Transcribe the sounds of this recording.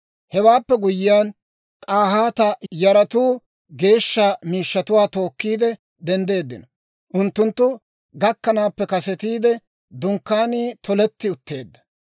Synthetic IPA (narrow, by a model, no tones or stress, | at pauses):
hɛwaːpːɛɡʊjɪjaːn | kʼaːɦaːt̪ɐjɐɾɐt̪uː | ɡe̞ːʃːaːmiːʃːɐt̪ʊwaːt̪o̞ːkːiːd̪ɛ | d̪ɛnd̪e̞ːd̪ːɪ̰nɔ | ʔʊnt̪ːʊnt̪ːʊ | ɡɐkːɐnaːpːɛkɐsɛt̪iːd̪ɛ | d̪ʊŋkːaːniːt̪ɔlɛt̪ːɪʊt̪ːe̞ːd̪ːɐ̥